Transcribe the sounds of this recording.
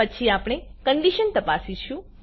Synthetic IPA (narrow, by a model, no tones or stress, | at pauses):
ət͡ʃʰiapɳ̃ekəɳɖiʃənt̪əpasit͡ʃʰũ